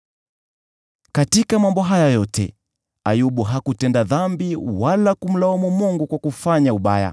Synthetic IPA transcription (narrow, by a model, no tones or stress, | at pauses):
katikamambɔɦajajɔtɛ̰ | ajuɓuɦakutɛndaðambiwalakum̩laamumuŋɡukwakufaɲauɓaja̰